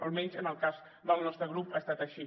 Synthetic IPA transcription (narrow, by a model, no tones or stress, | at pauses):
olˠmɛnzənəlˠkaz | d̪əlˠnɔst̪ɾəɣ̞ɾupast̪at̪əʃi